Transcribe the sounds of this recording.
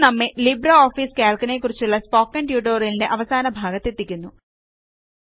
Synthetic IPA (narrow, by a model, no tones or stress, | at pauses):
nɐmːelibrɐoːfiːskaːlkɐne̞kːurit͡ɕːuɭːɐspo̞ːkːɐɳɖjuːʈoːrilinde̞ʔɐʋɐsaːnɐbʱaːɡɐt̪ːe̞t̪ːikʲːunːu